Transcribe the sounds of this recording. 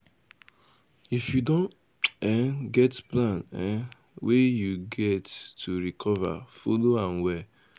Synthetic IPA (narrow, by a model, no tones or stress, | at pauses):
ifjudõn | ɛɡɛtplãnɛ | wejuɡɛtːuɾikʰɔva̰foloãnwɛ